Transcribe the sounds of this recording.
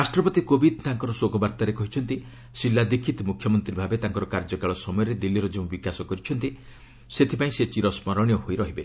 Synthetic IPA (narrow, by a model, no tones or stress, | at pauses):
ɾasʈɾɔpɔt̪ikobʱid̪t̪aŋkɔɾɔsoɡɔbaɾt̪aɾekɔɦit͡ʃʰɔnt̪i | silːad̪ikʰːit̪ɔmukʰːjɔmɔnt̪ɾibʱabet̪aŋkɔɾɔkaɾd͡ʒɔkaɭɔsɔmɔjɔɾed̪ilːiɾɔd͡ʒeũbikasɔkɔɾit͡ʃʰɔnt̪i | set̪ʰipaĩset͡ʃiɾɔsmɔɾɔɽ̃jɔɦojɾɔɦibe